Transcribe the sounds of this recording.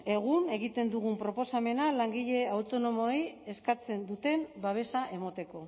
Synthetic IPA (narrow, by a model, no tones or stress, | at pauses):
e̞ɣune̞ɣit̪e̞nd̪uɣ̞umpɾo̞po̞same̞nalaŋɡiʎe̞awt̪o̞no̞mo̞je̞skat͡se̞nd̪ut̪e̞mbaβe̞saʔe̞mot̪e̞ko̞